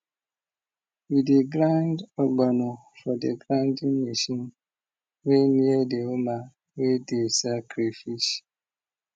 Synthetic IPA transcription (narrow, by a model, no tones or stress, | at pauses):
wideɡɾandɔɡ͡bano | fɔdeɡɾãndiŋmiʃin | weniedeoma | wedesakɾifis